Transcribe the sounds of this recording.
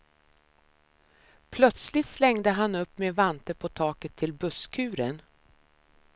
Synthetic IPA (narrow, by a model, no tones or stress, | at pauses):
pʰlœt̪slɪt̪slɛŋd̪əɦanɵpːmeːvant̪əpʰɔt̪ʰɑːkət̪ʰːɪlbɵskʰʉ̟ːɾən